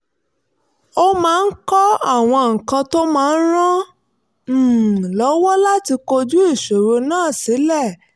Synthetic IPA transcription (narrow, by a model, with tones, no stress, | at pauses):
o˦mãː˦˧n̩˦kɔ˦a˦˨w̃ɔ̃˧ŋ̩˨kã˧to˦mãː˦˧n̩˦ɾ̃ã˦˨ | lɔ˨˦wɔ˦la˦ti˧ko˧d͡ʒu˦i˦˨ʃo˨ɾo˧nãː˦˨si˨˦lɛ˦˨